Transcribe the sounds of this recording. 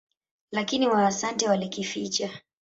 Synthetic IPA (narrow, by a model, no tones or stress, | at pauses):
lakiniwaːsantɛwalɛkifit͡ʃa